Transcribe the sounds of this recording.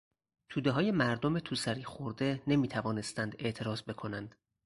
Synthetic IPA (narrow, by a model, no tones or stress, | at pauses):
t̪ʰuːd̪eɦɒːje̞mæɾd̪ome̞t̪ʰuːsæɾiːxoɾd̪e̞ne̞miːt̪ʰævɒːne̞st̪ænd̪e̞ʔt̪ʰe̞ɾɒːzbe̞kʰo̞nænd̪̥